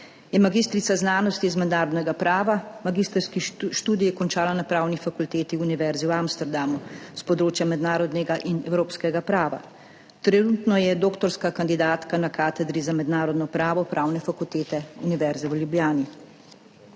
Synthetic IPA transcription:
jɛmaɡiːst̪ɾit̪saznaːnɔst̪iːzmɛd̪naːɾɔd̪nɛɡapɾaːʋamaɡiːst̪əɾskiʃt̪uːd̪ijikɔnt͡ʃaːlanapɾaːwnifakult̪eːt̪iuniʋɛɾziwamst̪ɛɾd̪amuspɔd̪ɾoːt͡ʃjamɛd̪naːɾɔd̪nɛɡaʔinɛwɾoːpskɛɡapɾaːʋa̰ | t̪ɾɛnuːt̪nɔjɛd̪oːkt̪ɔɾskakand̪id̪aːt̪kanakaːt̪ɛd̪ɾizamɛd̪naːɾɔd̪nɔpɾaːʋɔpɾaːwnɛfakult̪eːt̪ɛuniʋɛɾzɛwljubjaːni

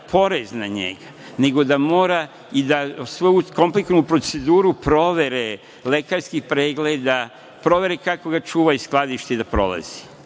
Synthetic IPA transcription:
pʰo̞ɾeznaɲe̞̰ɡa | ne̞ɡo̞d̪amo̞ːɾa | id̪asʋojuko̞mpliknupɾo̞t̪se̞d̪uːɾupɾo̞ʋe̞ɾe | le̞kaɾskixpɾeːɡled̪a | pɾo̞ʋe̞ɾekako̞ɡat͡ʃuːʋaisklˠad̪iʃt̪ed̪apɾo̞̰lˠa̰z̥i̥

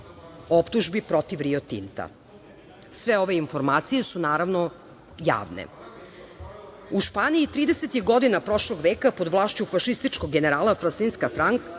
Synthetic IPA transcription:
opt̪uʒbipɾo̞t̪iʋɾiot̪ḭnt̪a̰ | sʋe̞oʋe̞info̞ɾmaːt̪sije̞sunaːɾaʋno | ja̰ːʋnḛ | uʃpaːniit̪ɾiːd̪e̞set̪ixɡo̞d̪inapɾo̞ʃlˠo̞ɡʋeːkapo̞d̪ʋlˠaːʃt͡ɕufaʃist̪it͡ʃko̞ɡɡeneɾaːlˠafɾansinskafɾaŋk

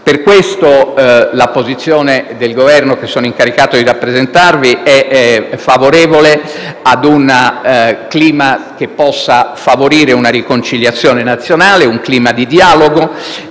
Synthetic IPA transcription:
perkwest̪olapːozit̪sːjoːned̪elɡovɛrnok̟esːoːnoiŋkaɾikaːt̪od̪irapːɾezent̪arviɛfavoɾɛːvole | ad̪un | kliːmak̟epːɔsːafavoɾiːɾeunaɾikont͡ʃiljat̪sːjɔːnenat̪sːjonaːleuŋkliːmad̪id̪iaːloɡo

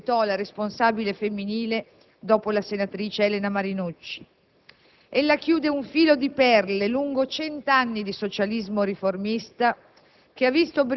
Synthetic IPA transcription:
t̪ɔlaɾesponsaːbilefemːiniːle | d̪ɔːpolasenat̪ɾiːt͡ʃeɛlenamaɾinut͡ʃːi̥ | elːakjuːd̪euɱfiːlod̪ipɛrleluŋɡot͡ʃɛnt̪anːid̪isot͡ʃalizmoɾiformist̪a | k̟eavːist̪ob

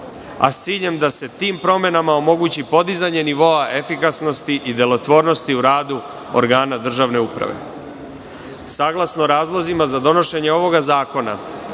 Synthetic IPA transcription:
a̰st̪siːʎe̞md̪ase̞t̪iːmpɾo̞me̞namao̞mo̞ɡuːt͡ɕipo̞d̪izaɲe̞niʋo̞aʔe̞fikasno̞st̪iʔid̪e̞lo̞t̪ʋo̞ːɾno̞st̪iuɾaːd̪u | o̰ɾɡaːnad̪r̩ʒaʋne̞upɾa̰ʋe̞̰ | saːɡlˠasnoɾaːzlˠozimazad̪o̞no̞ʃe̞ɲeo̞ʋo̞ɡazaːko̞na̰

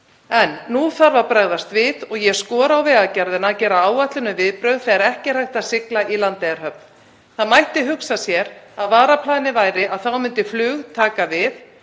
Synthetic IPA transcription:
ɛnːuθaɾvapɾaɣðast̪vɪðɔɣjɛskɔːɾaawvɛːɣacaɾðɪnaːcɛːɾaaːwat̪lʏnʏvɪðpɾœɥɣθɛaɾɛhcɪr̥ajht̪asɪklaʔilant̪ɛjaɾ̥hœpn | θaðmajht̪ɪɦʏksasjɛɾaðvaːɾapʰlaːnɪvaːjɾɪʔaðθawmʏnt̪ɪflʏːɣt̪ʰaːkavɪθ

